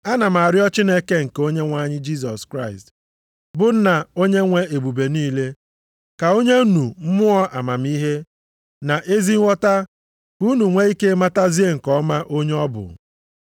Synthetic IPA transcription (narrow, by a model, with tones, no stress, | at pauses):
a˦na˨ma˨a˨ɾɪ˦ɔ˦t͡ʃi˦ne˦ke˦ŋ̩˨ko˦ɲe˦ŋʷa˦ɲɪ˦d͡ʒi˦s̬ɔ˨skɾa˦ɪ˨st | bʊ˨n̩˦na˨o˦ɲe˦ŋʷe˦e˨bu˨be˨niː˦le˦ | ka˨o˦ɲe˦nu˨m̩˦mʊ˦ɔ˦ʔa˨ma˨m˦i˦ɦe˦ | na˨ʔe˦zi˦ŋʷɔ˦ta˦ | bu˦nu˨ŋʷe˦i˦ke˦ma˦ta˦zi˦e˦ŋ̩˨kɔ˦ma˦ʔo˦ɲe˦ɔ˦bʊ̰˨